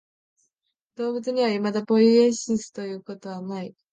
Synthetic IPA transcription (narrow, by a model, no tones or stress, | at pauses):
d̪̥o̞ːbɯ̟t͡sɨɲ̟iβaimad̪apo̞ɾiẽɕisɨ̥t̪o̞jɯ̟ːko̞t̪o̞βanai